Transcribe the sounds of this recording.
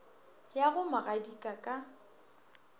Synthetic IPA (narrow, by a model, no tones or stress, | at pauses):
jaɣʊmaɣadikʼakʼa